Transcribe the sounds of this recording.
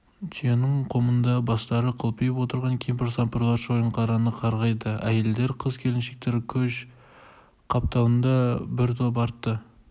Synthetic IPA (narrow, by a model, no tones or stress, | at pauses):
t͡ʃʰienɪɴqʰo̞mənd̪ɑbɑst̪ɑɾəqʰəlˠpəjəpwo̞t̪əɾʁɑŋkʲʰempɪɾsɑmpɾlˠɑɾʃojəɴqʰɑɾɑnəqʰɑɾʁɑjd̪əæje̞ld̪e̞ɾqʰəzkʲʰe̞lɪnʃe̞k̚t̪e̞ɾkʲʰɵʃ | qʰɑp̚t̪ɑwənd̪ɑbɪɾt̪ʰop̬ɑɾt̪ːə